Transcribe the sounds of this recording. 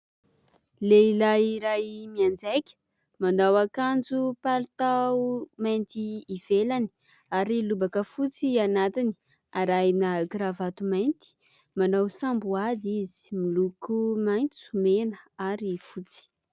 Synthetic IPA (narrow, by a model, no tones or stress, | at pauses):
leilajiɾajmiand͡zekʲə̥ | mand̪awakand͡zupalut̪aumajnt̪iːv̥elani̥ | aɾilubakəfut͡sianat̪ini̥ | aɾajnəɡɾavat̪umajnt̪i̥ | manawsambuad̪izi̥milukumajnt͡su̥menəaɾifut͡si̥